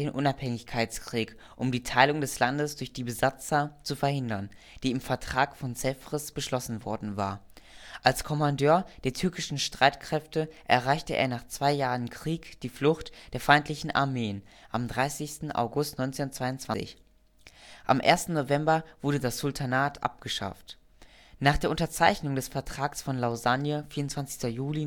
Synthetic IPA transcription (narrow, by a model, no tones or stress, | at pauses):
eːnʔʊnaphɛŋɪçkʰaɪt͡skʁ̥iːk | ʔʊmdiːtʰaɪlʊŋdɛslandəsd̥ʊɐçd̥iːbəzat͡sɐt͡sufɛɐhɪndɐn | d̥iːɪmfɛɐtʁ̥aːkfɔnt͡sɛfʁ̥ɪsb̥əʃlɔsn̩vɔɐdn̩va̰ːɐʔalskʰɔmandøːɐd̥eːɐtʰʏɐkɪʃn̩ʃtʁ̥aɪtkʁ̥ɛftəʔɛɐʁ̞aɪçtəʔḛːɐnaːχt͡sv̥aɪjaːʁənkʁ̥iːkd̥iːflʊxtd̥eːɐfaɪntʰlɪçn̩ʔa̰ɐmeːənʔamdʁaɪsɪçstn̩ʔa̰ʊɡʊstnɔʏnt͡sennt͡sv̥aɪʊntt͡sv̥aɪ̰ç | ʔa̰mʔḛːɐstn̩novɛmbɐv̥ʊɐdədasz̥ʊltʰanaːtʰʔa̰p̚ɡ̥əʃa̰ft | naːχd̥eːɐʔʊntɐt͡saɪçnʊŋdɛsfɛɐtʁ̥aːksfɔnlaʊzanjəfiːɐʊntt͡sv̥ant͡sɪ̥çstɐjuːli